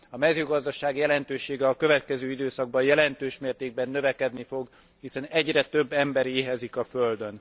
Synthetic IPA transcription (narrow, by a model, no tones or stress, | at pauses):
ɒmɛzøːɡɒzd̪ɒʃaːɡjɛlɛnt̪øːʃeːɡɛɒkø̞vɛt̪kɛzøːid̪øːsɒɡ̚bɒjɛlɛnt̪øːʃmeːrt̪eːɡ̚bɛnːøvɛkɛd̪nifo̞ɡ | hisɛnɛɟrɛt̪ø̞bːɛmbɛɾeːɦɛzikɒføld̪øn